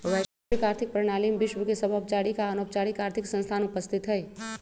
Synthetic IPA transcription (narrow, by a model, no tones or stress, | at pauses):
ʋɛ | ɪkaːɾt̪ʰɪk̚pɾɪɽ̃aːlimbɪʃwəkesɐbʱəbt͡ʃaːɽikaənoːp̚t͡ʃaːɽikaːɾt̪ʰɪksə̃nst̪ʰaːnʊpəst̪ʰɪt̪ɦɛː